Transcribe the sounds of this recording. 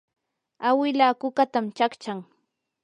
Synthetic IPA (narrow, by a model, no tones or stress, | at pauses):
awɪlaːkʊkat̪amt͡ʃakt͡ʃaŋ